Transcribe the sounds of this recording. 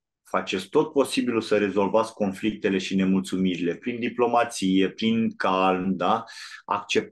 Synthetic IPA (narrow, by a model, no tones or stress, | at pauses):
fat͡ʃe̞t̪sʲt̪o̞t̪̚po̞sibilusəɾe̞zo̞lvat̪sʲkʲko̞nflik̚t̪e̞le̞ʃine̞mult̪sumiɾile̞pɾind̪iplo̞mat̪sije̞pɾiŋkalmd̪aa̰kt͡ʃe̞p̚